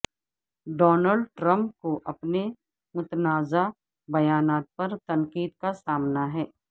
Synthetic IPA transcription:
ɖɔːnəlɖʈɾə̃mp̚koʔɐpne | mʊt̪ənaːza | bɐjaːnaːt̪̚pɐɾt̪ɐ̃ŋqiːd̪kasaːmnaɦɛː

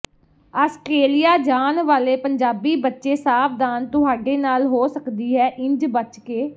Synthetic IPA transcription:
aːskeːlijaːd͡ʒaːnʋaːleːpəɲd͡ʒaːbiːbətːʃeːsaːp̚ʰd̪aːnt̪ʊɦaːɖeːnaːlɦoːsəkd̪iːɦɛːʔɪ̃ɲd͡ʒbət͡ʃkeː

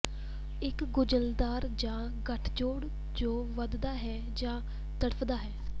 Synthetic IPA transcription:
ɪkɡʊd͡ʒəld̪aːɾd͡ʒãː | ɡəʈʰd͡ʒoːɽ | d͡ʒoːʋəd̪d̪aːɦɛː | d͡ʒãː | t̪əɽəpʰd̪aːɦɛː

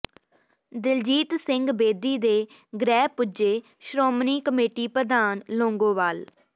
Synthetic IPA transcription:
d̪ɪld͡ʒiːt̪sɪŋɡbeːd̪iːd̪eː | ɡɾɛːpʊd͡ʒeː | ʃɾoːmniːkəmeːʈiːpɾəd̪aːnlõːŋɡõːʋaːl

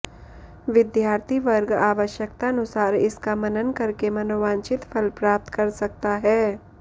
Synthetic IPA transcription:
ʋɪd̪jaːɾt̪ʰiʋəɾɡaːʋəʃjəkt̪aɐnʊsaːɾɪskamɐnənkɐɾkemɐnoːʋãːnt͡ʃɪt̪pʰəlpɾaːp̚t̪kɐɾsɐk̚t̪aɦɛː

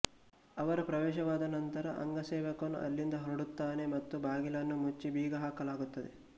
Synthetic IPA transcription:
ɐʋɐɾɐpɾɐʋɛːʃɐʋaːd̪ɐnɐnt̪ɐɾɐʔɐ̰ŋɡɐsɛːʋɐkɐnːṵʔɐ̰lːind̪ɐɦɐɾuɽut̪ːaːne̞mɐt̪ːubaːɡilɐnːumut͡ʃːibiːɡɐɦaːkɐlaːɡut̪ːɐd̪e̞̰

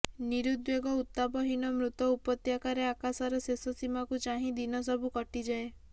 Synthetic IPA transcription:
niɾud̪weɡɔut̪ːabɔɦinɔmɾut̪ɔupɔt̪jakaɾeakasaɾɔsesɔsimakut͡ʃaɦĩd̪inɔsɔbukɔʈid͡ʒae

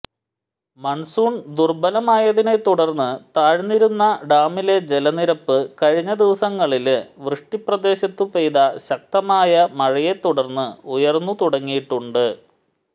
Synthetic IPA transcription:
mɐɳsuːɳd̪urbɐlɐmaːjɐðine̞t̪ːuɽɐrnːɨt̪aːɻnːiɾunːɐɖaːmile̞d͡ʑe̞lɐniɾɐpːɨkɐɻiɲːɐd̪iʋɐsɐŋːɐɭilʋrɨʂʈiprɐd̪e̞ːɕɐt̪ːupejðɐɕɐk̚t̪ɐmaːjɐmɐɻɐje̞t̪ːuɽɐrnːɨujɐrnːut̪uɽɐŋːijiʈːuɳɖɨ

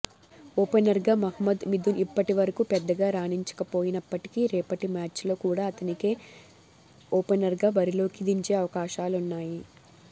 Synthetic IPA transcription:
oːpenɐɾɡaːmɐɦɐmɐd̪mid̪unipːɐʈiʋɐɾɐkupɛd̪ːɐɡaːɾaːniɲt͡ʃɐ̥kɐpo̞ːjinɐpːɐʈi̥kiːɾɛːpɐʈimaːt͡ʃlo̞ːkuːɽaːɐt̪ɐnike̞ː | oːpɐnɐɾɡaːbɐɾilo̞ːkid̪iɲt͡ʃe̞ːɐʋɐkaːʃaːlunːaːji

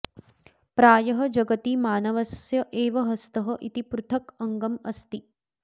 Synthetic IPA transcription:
pɾaːjɐɦɐd͡ʒɐɡɐt̪imaːnɐʋɐsjɐʔeːʋɐɦɐst̪ɐɦɐʔḭt̪ipɾut̪ʰɐkɐŋɡɐmɐ̰st̪i

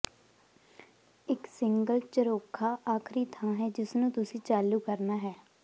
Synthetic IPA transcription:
ɪksɪŋɡəlt͡ʃəɾoːkʰːaːʔaːkʰɾiːt̪ʰãːɦɛːd͡ʒɪsnũːt̪ʊsĩːt͡ʃaːluːkəɾnaːɦɛː

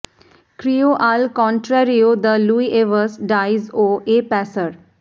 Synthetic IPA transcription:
kɾijoʔaːlkɔ̃ːɳʈɾɛɾiod̪əluːiʔeʋəsɖaːɪzoːeːpɛːsəɾ

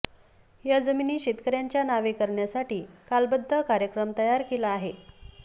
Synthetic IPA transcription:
jad͡zəminiːɕit̪kəɾjaɲt͡ɕjanaʋekəɾɳjasaʈiːkalbəd̪ʱːəkaɾjəkɾəmt̪əjaɾkelaːɦe

